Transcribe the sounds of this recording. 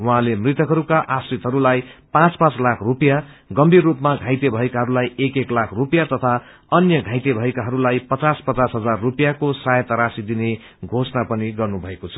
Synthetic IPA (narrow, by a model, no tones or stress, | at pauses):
wuɦãlemrit̪ʌkɦʌɾukaʔasrit̪ɦʌɾulajpãt͡spãt͡slakʰrupjaɡʌmbʱirːupmaɡʱãjt̪ebʱʌekaɦʌɾulajekeklakʰrupjat̪ʌt̪ʰa | ʌnjʌɡʱãjt̪ebʱʌekaɦʌɾulajpʌt͡saspʌt͡sasɦʌd͡zarːupjakosajʌt̪aɾasid̪ine | ɡʱosnapʌniɡʌrnubʱʌekot͡sʰʌ̥